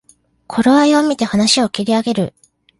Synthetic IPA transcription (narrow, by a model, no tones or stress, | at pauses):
kʰo̞ɾoβaio̞mʲit̪e̞hanaɕio̞kʲiɾʲiaɡe̞ɾɯ̟